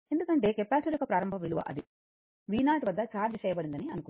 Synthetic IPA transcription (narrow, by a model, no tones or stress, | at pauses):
end̪ukɐɳʈe̞ːkepaːsuɾjɔkɐpɾaːɾɐmbʱɐʋiluʋɐ̰ʔɐ̰d̪i | ʋiːnaːʈʋɐd̪ːɐt͡ʃaːɾd͡ʒɐt͡ʃɛːjɐbɐɽind̪ɐniɐnuku